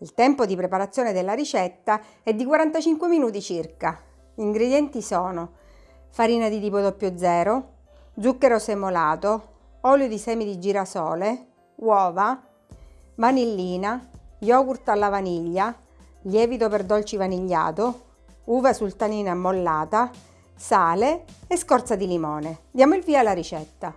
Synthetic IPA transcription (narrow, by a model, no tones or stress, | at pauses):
ilt̪ɛmpod̪ipɾepaɾat̪sːjoːned̪elːaɾit͡ʃɛt̪ːa | ɛd̪ːikwaɾant̪at͡ʃiŋkweminuːt̪it͡ʃirka | iŋɡɾed̪jɛnt̪isɔːno | faɾiːnad̪it̪ipod̪ɔpːjod̪zɛːɾo | d̪zukːeɾosemolaːt̪o | ɔljod̪isɛːmid̪id͡ʒiːɾasɔːle | wɔːva | vanilːiːnajɔːkurt̪alːavaniʎːa | ljɛːvit̪operd̪ɔlt͡ʃivaniʎːa̰ːt̪o | uːvasult̪aniːnamːolːaːt̪a | saːleeskɔrt̪sad̪ilimɔːned̪jaːmoilviːalaɾit͡ʃɛt̪ːa